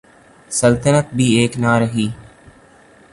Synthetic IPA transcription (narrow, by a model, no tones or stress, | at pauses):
səlt̪ənət̪̚bʱieːknaːɾəɦiː